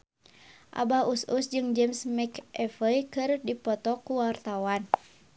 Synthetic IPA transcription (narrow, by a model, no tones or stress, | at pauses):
ʔa̰baususd͡ʒɨŋd͡ʒɛmsmɛkʔɛfəjkɨrdipɔt̪ɔkuwart̪awan